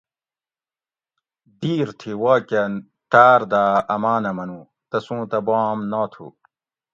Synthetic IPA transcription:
d̪iːɾt̪ʰiwaːken | t̪aːɾd̪aːɐmaːnɐmɐnuː | t̪ɐsũːt̪ɐbaːmnaːt̪ʰṵ

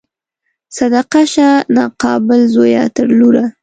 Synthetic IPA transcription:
sad̪aqaʃanɑqɑbɪlzoja̰t̪aɾluɾa

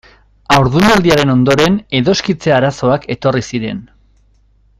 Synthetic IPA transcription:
awɾðunald̪iaɾe̞no̞nd̪o̞ɾe̞ne̞ðo̞skit͡seaɾaso̞ake̞t̪o̞risiɾe̞n

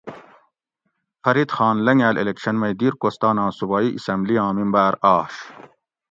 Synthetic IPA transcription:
xɐɾit̪xɑːnlɐŋæːlʔḛlekɕɐnmɐjd̪iːɾkoːst̪ɑːnɑ̃ːsubɑːiʔisɐmbliɑ̃ːmimbæːɾɑːɕ

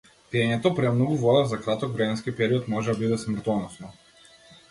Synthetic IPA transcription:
t̪iɛɲɛt̪ɔpɾɛmnɔɡuvɔd̪azakɾat̪ɔkvɾɛmɛnskipɛɾiɔt̪mɔʒɛd̪abid̪ɛsmr̩t̪ɔnɔsnɔ

